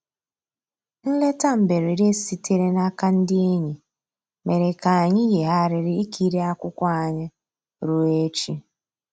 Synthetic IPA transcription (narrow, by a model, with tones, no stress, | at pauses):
n̩˦le˦ta˦m̩˨be˨ɾe˨ɾe˦si˦te˦ɾe˦na˦ka˦n̩˦dɪ˦e˦ɲi˨ | me˨ɾe˨ka˨ɲɪ˦je˨ɦa˦ɾɪ˨ɾɪ˦i˦kʰi˦ɾe˦a˦kʷʊ˦kʷa˦a˨ɲɪ˦ | ɾu˦e˦t͡ʃi˦